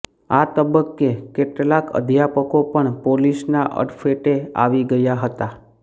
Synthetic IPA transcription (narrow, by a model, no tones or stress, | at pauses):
at̪əbəkːekeʈlakə̰d̪ʱjapəkopəɳpolisnaʔə̰ɖfeʈea̰ʋiɡəjaɦət̪a